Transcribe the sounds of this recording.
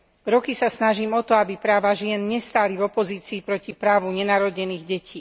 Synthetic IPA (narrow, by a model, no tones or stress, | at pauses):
ɾɔkisasnaʒiːmɔt̪ɔabipɾaːʋaʒɪɛnɲɛst̪aːlivɔpɔziːt͡siːpɾɔcipɾaːʋuɲɛnaːɾɔɟɲɛniːɣɟɛciː